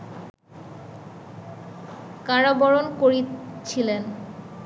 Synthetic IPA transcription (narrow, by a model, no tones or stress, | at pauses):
kaɹobɔɾonkoɾit͡ɕʰilen